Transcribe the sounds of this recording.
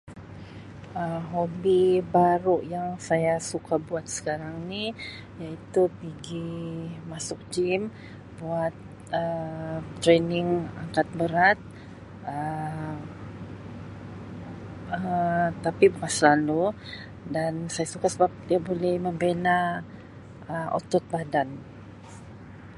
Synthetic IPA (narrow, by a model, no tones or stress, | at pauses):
əɦobibaɾʊʔjaŋsajasukabuat̪̚sə̥kaɾaŋni | jait̪upiɡimasʊk̚d͡ʒim | buat̪̚ | ət̪ːɾenɪŋa̰ŋkat̪̚bəɾat̪̚ | ʔə | ət̪apibəkasəlalu | dansajasukasəbap̚diabolɛhməmbena | əʔo̰t̪ɔt̪̚badan